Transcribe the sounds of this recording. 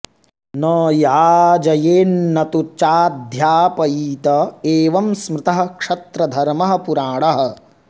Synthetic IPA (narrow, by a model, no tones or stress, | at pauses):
nɐːjaːd͡ʒɐjeːnːɐt̪ut͡ʃaːd̪ʱjaːpɐjiːt̪ɐeːʋɐmsmɾɪt̪ɐɦɐ̆kʂɐt̪ɾɐd̪ʱɐɾmɐɦɐ̆puɾaːɽɐɦɐ̆